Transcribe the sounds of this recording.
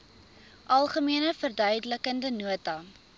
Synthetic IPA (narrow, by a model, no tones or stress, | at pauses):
ʔɐlˠχəmiənəfərdœɥdələkəndənuətɐ